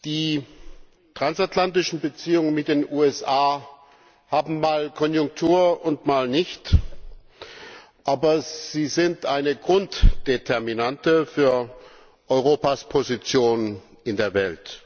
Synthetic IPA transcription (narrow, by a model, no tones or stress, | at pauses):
d̥iː | tʁ̥ansatlantɪʃn̩bət͡siːʊŋənmɪt̚d̥eːnʔuːɛsʔaː | haːbm̩maːlkʰɔnjʊŋk̚tʰuːɐʊntmaːlnɪçt | ʔaːbɐz̥iːzɪntʔaɪnəɡʁʊntd̥etʰɛɐminantəfyːɐ | ʔɔʏʁ̞oːpaspʰozit͡sjoːn | ɪndeːɐvɛlt